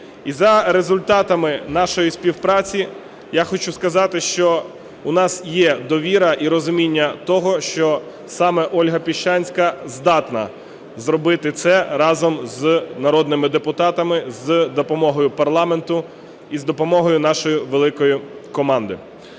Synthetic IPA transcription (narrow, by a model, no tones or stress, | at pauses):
izɐɾezʊlʲt̪ɑt̪ɐmɪnɑʃɔjisʲpʲiwpɾɑt͡sʲi | jaxɔt͡ʃuskɐzɑt̪ɪʃt͡ʃɔ | ʊnɑsjɛd̪ɔʋʲiɾɐʔiɾɔzʊmʲinʲːɐt̪ɔɦɔʃt͡ʃɔ | sɑmɛʔɔlʲɦɐpʲiʃt͡ʃɑnʲsʲkɐzd̪ɑt̪nɐ̰ | zɾɔbɪt̪ɪt̪sɛɾɑzɔmznɐɾɔd̪nɪmɪd̪epʊt̪ɑt̪ɐmɪzd̪ɔpɔmɔɦɔjʊpɐrlˠɑment̪ʊ | izd̪ɔpɔmɔɦɔjʊn̪ɑʃɔjʊʋelˠɪkɔjʊkɔmɑnd̪ɪ